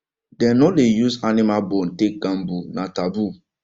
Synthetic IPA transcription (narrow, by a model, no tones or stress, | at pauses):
dɛnɔlejuzanɪmalbɔn̩tek̚ɡãm̩bunatabu